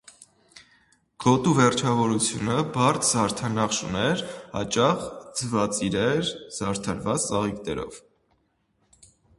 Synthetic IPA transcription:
ɡ̥ɔt̪uvɛɾt͡ʃʰɑvɔɾut͡sʰjunəbɑrt̪ʰzɑɾt̪ʰɑnɑχʃṵnɛɾhɑ̰t͡ʃɑχd͡zəvɑt͡sʼiɾɛɾz̥ɑɾt̪ʰɑɾvɑt͡st͡sɑʁiknɛ̰ɾɔ̰v̥

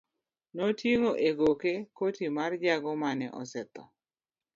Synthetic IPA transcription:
nɔtʰjeŋoʔeɡokekotimard͡ʒaɡɔmanɛ̰ʔɔ̰sɛt̪ɔ̰

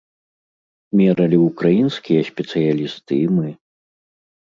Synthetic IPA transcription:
mʲɛɾɐlʲiukɾajinskʲijɐsʲpʲɛt̪sɨjalʲist̪ɨimɨ

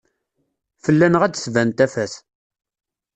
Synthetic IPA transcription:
fəlːænəʁæd̪svænt̪æfæθ

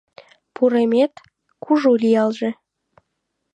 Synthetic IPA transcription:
puɾemet̪ | kʰuʒulijɑlʒĕ

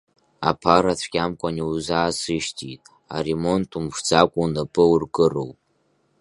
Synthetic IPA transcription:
a̰pʰaratʷʰɡʲʼamkʷʼaniuzaːsɨʃtʰitʼ | a̰remo̞ntʰumʂd͡zakʷʼunapʼɨurɡɨro̰wpʼ

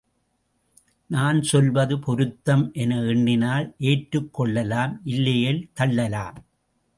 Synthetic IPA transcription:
naːnsɔlʋɐðɯpʰɔɾɯt̪ːɐmʔɛnɐɛɳːɪnaːlʔeːʈɾɯkːɔɭːɐlaːmʔɪlːɐjɐlt̪ɐɭːɐlaːm

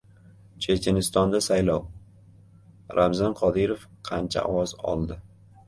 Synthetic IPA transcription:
t͡ʃʰet͡ʃʲʰenɪst̪ɒnd̪asajlɒw | ɾʔamzanqʰɒd̪ɪɾofqʰɑnt͡ʃʰa̰ɒ̰wɒzɒ̰lˠd̪ɪ

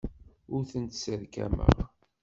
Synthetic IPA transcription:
ʊɾθənt̪səɾkæ̰mə̰ʁ

